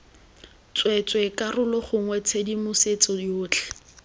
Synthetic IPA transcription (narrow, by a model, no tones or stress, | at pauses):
t͡swɛt͡sʼwekarʊlɔχʊŋwɛt͡sʰedimʊset͡sɔʊːt͡ɬʰɛ̥